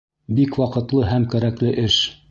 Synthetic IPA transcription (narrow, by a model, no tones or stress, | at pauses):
bikwɒqɤ̆t̪lˠɤɦæmkæɾæklɘʔɘʃ